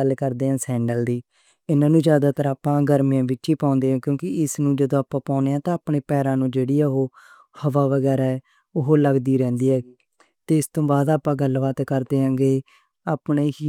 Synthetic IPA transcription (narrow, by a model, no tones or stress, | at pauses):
əlkəɾd̪eːãːsɛ̃ːɳɖəld̪iː | ɪnãːnũːzjaːd̪aːt̪əɾaːpãːɡəɾmijãːbɪʈːʃiːpãːʊ̃nd̪eːãːkjõːkɪɪsnũːd͡ʒəd̪õːaːpãːpaːʊneːãːt̪ãːaːpɳeːpɛːɾãːnũːd͡ʒeːɽiːaːɦoː | həʋaːʋəɡɛːɾaː | ʊɦoːləɡd̪iːɾɛ̃ːnd̪iːɛː | t̪eːɪst̪õːbaːd̪aːpːãːɡəlʋaːt̪kəɾd̪eːɦãŋɡeː | aːpneː